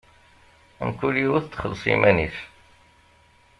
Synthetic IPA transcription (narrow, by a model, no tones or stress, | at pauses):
əmkuliwəθt̪ːχəlːsˤḭmæniθ